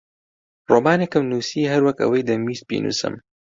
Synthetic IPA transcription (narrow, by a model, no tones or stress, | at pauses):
roːmaːnekɨmnuːsiːɦɐɾwɐkɐ̰wɐjd̪ɐmiːst̪̚bḭnṵsɨ̰m